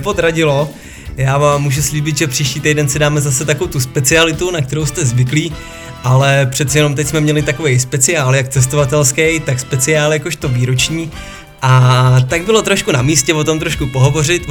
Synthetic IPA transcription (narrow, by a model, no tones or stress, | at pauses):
pod̪ɾaɟɪlo̞ | jaːvaːmːuːʒusliːbɪt̪ʒɛpr̥iːʃciːt̪ejdɛnsɪdaːmɛzasɛt̪akowt̪uspɛt͡sɪalɪt̪unak̚t̪ɛɾo̞wst̪ɛzvɪkliː | ʔalɛpr̥ɛt̪t͡sɛjɛno̞mt̪ɛcsmɛmɲɛlɪt̪ako̞vejspɛt͡sɪaːljak̚t͡sɛs̬t̪ovat̪ɛlskɛjt̪akspɛt͡sɪaːljakoʃt̪oviːɾot͡ʃɲiː | ʔat̪aɡ̚bɪlo̞t̪ɾoʃkunamiːscɛvot̪o̞mt̪ɾoʃkupoɦo̞vo̞rɪt̪